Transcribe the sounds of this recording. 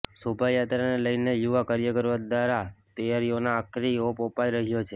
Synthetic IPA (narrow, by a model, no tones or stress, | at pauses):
sobʱajat̪ɾaneləjnejuʋakaɾjəkəɾʋad̪ʋaɾat̪əjaɾijonaːkɾiopopaiɾəɦjot͡ʃʰe